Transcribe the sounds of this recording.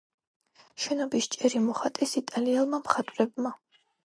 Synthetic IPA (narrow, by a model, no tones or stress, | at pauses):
ʃɛnɔbist͡ʃʼɛɾimɔχat̪ʼɛsit̪ʼalialˠmamχat̪ʼɾɛbma